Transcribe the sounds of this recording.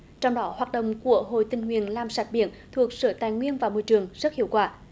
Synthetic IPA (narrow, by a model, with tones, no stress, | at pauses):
t͡ɕɔ˧wŋ͡mɗɔ˨˦hwaː˨˩t̚ɗə̰˧˨wŋ͡mku˧˩əɦo̰˧˨jt̪ï˨˩ŋ̟hwḭ˨ənlaː˧˩msa˨˩t̚ɓḭ˧˨ənt̪ʰu˨˩ək̚səː˧˩t̪aː˨jŋwi˧ənvaː˨˩wmo˧˩jt͡ɕɨ˨˩əŋzə˦˥t̚hi˧˨əwkwaː˧˩